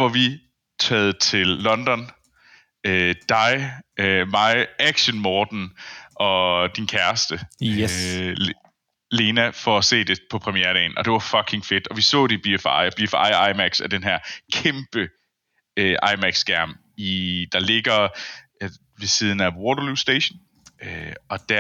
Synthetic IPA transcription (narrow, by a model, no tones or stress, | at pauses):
ʋɑ̈ʋi | t͡sʰɛːð̩ˠət͡sʰe̝lːɒ̽nd̥ɒ̽n | ød̥ɑ̈ɪømɑ̈ɪʔæɡ̥ɕənmɒːd̥n̩ʔɒ̽d̥inkʰæɐsd̥ə | le̝ːnæfɒ̽æse̝̰ːd̥e̝pʰɒ̽pʰʁɛmieɐɾɛ̰ɪnʔɒ̽d̥e̝ʋɑ̈fɒ̽ɡ̥ʰe̝ŋfe̝d̥ɒ̽ʋisɔ̰̽ːdeib̥iefɑ̰ɪb̥ifɑ̰̈ɪɑ̈ɪmæɡ̥sæd̥enɦæɐ̰kʰemb̥ə | øʔɑ̈ɪmæɡ̥sɡ̥æɐ̰m | id̥ɑ̈le̝ɡ̥ɐ | ʋesiːð̞ˠn̩æwɔɾɐlusd̥eɕn | øɒ̽d̥æɐ